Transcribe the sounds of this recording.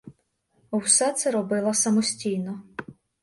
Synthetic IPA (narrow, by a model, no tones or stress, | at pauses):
wsɛt̪sɛɾɔbɪlˠɐsɐmɔsʲtʲijnɔ